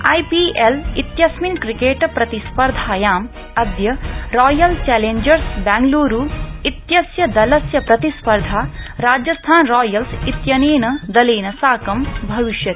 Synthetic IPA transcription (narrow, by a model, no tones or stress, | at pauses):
ɐ̰jpielit̪jɐsminkɾikeːʈpɾɐt̪ispɐɾd̪ʱaːjaːm | ɐd̪jɐɾɔːjɐlt͡ʃɛːleɲd͡ʒɐɾsbɛːŋɡloːɾuːit̪jɐsjɐd̪ɐlɐsjɐpɾɐt̪ispɐɾd̪ʱaːɾaːd͡ʒjɐst̪ʰaːnɾɔːjɐlsit̪jɐneːnɐd̪ɐleːnɐsaːkɐmbʱɐʋiʃjɐt̪i̥